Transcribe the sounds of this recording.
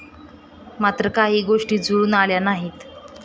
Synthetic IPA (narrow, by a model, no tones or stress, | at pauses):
mat̪ɾəkaɦiːɡoʂʈiːd͡zuɽuːnaljanaɦiːt̪